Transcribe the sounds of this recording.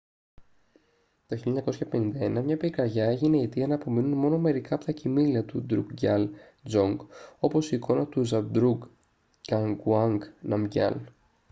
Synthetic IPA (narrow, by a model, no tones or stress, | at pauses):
t̪oçilʎɐɲɐkosçɐpe̞nind̪ɐenɐmɲɐpikɐɾʝɐe̞ʝine̞it̪iɐnɐːpo̞minunmo̞no̞me̞ɾikɐːpot̪ɐcimiliɐt̪ud̪ɾṵɡɟɐl | d͡zo̞ŋɡo̞po̞siːko̞nɐt̪uzɐbd̪ɾuɡ | ɟɐŋɡuɐŋɡnɐmɟɐ̰l